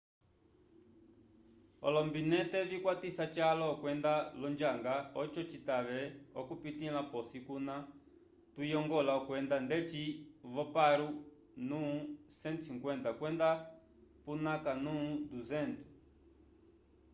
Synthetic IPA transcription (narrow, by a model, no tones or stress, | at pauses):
ɔ̰lɔmbinɛtɛvikwatisat͡ʃalɔːkwɛndalɔnd͡ʒaŋɡaɔt͡ʃɔt͡ʃitaβɛɔkupit̪ilapɔsikuna | tujɔŋɡɔlaɔkwɛnd̪andɛt͡ʃivɔpaɾu | nusɛnsʰiŋkwɛntakwɛnda | punakanud̪uzɛnt̪u̥